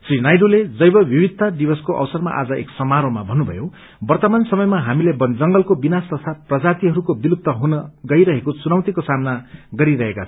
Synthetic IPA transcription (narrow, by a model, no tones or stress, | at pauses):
srinajɖoled͡zʌjbʌbʱibid̪̚ʱtːad̪ibʌskoʔʌ̰wsʌrma̰ʔa̰d͡zʌḛksʌmaɾomabʱʌnːubʱʌ̰jo | bʌrt̪ʌmansʌmʌjmaɦamilebʌnd͡zʌŋɡʌlkobinast̪ʌst̪ʰaprʌd͡zat̪iɦʌɾukobilup̚t̪ʌɦunʌɡʌjɾʌɦekot͡sunawt̪ikosamnaɡʌɾiɾʌɦeka